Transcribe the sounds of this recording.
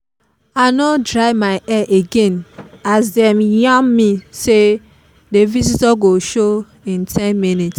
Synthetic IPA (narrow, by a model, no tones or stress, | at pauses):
anɔdɹaɪmaɪʔɛʔeɡẽnazdɛmjãmːise | devizitɔɡoʃo | ĩntʰɛ̃nminit